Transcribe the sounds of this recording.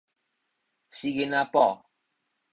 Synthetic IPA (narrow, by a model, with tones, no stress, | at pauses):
si˦ɡe˦na˦pɔ˦˨